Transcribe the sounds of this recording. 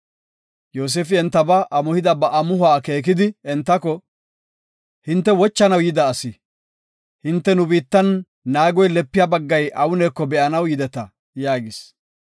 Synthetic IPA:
joːs̬eːfɪɛnt̪ːɐbɐʔɐmʊhɪd̪ɐbɐʔɐmʊhʊaːke̞ːk̬ɪd̪ɪɛnt̪ːɐkɔ | hɪnt̪ːɛwɔt͡ʃːɐnɐwjɪd̪ɐːsɪ | hɪnt̪ːɛnʊbiːt̪ːɐnː | aːɡɔjlɛpːɪjabɐɡːɐjʔɐwʊnɛːkːɔbɛʔɐnɐwjɪd̪ɛt̪ɐ | jaːɡɪs

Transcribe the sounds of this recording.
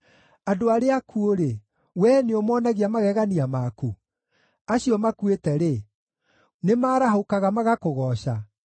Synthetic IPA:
adoaɾeakʰuoɾe | wɛːneomɔnaɣiamaɣɛɣaniamaku | aɕiɔmakwetɛɾe | nemaːɾaɦokaɣamaɣakoɣɔːɕa

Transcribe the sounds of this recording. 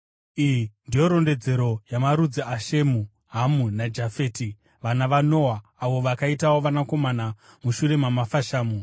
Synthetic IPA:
ijindijo̞ɾo̞nde̞d͡ze̞ɾo̞jamaɾud͡ziaʃe̞mu | ɦamunad͡ʒafe̞ːti | ʋanaʋano̞ːwaːʋo̞ʋakaitawo̞ʋanako̞mana | muʃure̞mamafaʃaːmu

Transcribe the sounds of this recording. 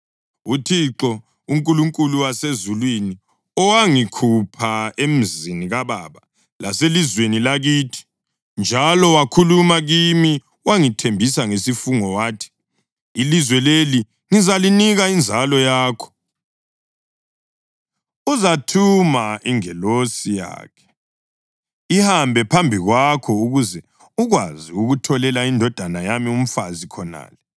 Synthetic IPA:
utʰiǁɔ | uŋkʼuluŋkʼuluwasezulwini | ɔwaŋikʰupʰaem̩ziniɣaβaβa | laselizwenilaɣiːtʰi̥ | nd͡ʒʱalɔwakʰulumaɣimi | waŋitʰembʱisaŋesifuŋɔwaːtʰi̥ː | lizwɛleli | ŋizaliniɣaind͡zʱalɔjaːkʰɔ̥ | uzatʰumaʔiŋɛlosija̰ːkʰɛ̥ | ihambʱɛpʰambʱiɣwakʰɔuɣuzɛ | uɣwaziuɣutʰɔlɛlaindʱɔd̥ʱanajamium̩fazikʰɔna̰ːlɛ

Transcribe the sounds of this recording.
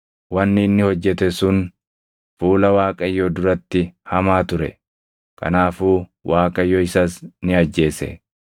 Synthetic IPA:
wɐnːɪnːɪhɔd͡ʒːɛt̪ɛsʊn | fuːlɐwaːkʼɐjːoːd̪ʊɾɐt̪ːɪhɐmaːt̪ʊɾɛ̰ | kʰɐ̰naːfuːwaːkʼɐjːoːɪsɐsnɪɐd͡ʒːe̞ːsɛ̰

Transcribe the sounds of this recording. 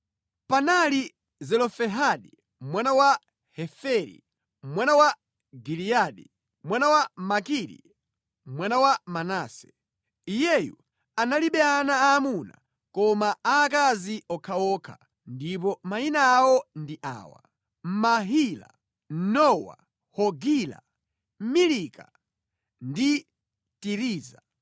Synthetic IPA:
panali | zɛlɔfɛɦaɗi | m̩mwanawa | hɛfɛɾḭ | m̩mwanawa | ɡiliaɗi | mwanawamakiɾḭ | mwanawamanaːsɛ̥ | ijɛjṵ | analiɓɛanaːmuna̰ | kɔmaaːkaziɔkʰaɔkʰa̰ | ndip̬ɔmainaːwɔndiʔa̰ːwa̰ | m̩maɦila̰ | nɔwa̰ | hɔɡila̰ | m̩milika | ndi | tiɾiːza

